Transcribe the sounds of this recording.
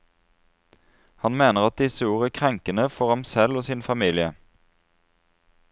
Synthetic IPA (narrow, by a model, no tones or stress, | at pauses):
hɑnmeːnəʁɑt̪̚d̪ɪsəuːʁəkʰʁɛŋkənəfɔʁhɑmsɛloːsinfɑmiːlɪə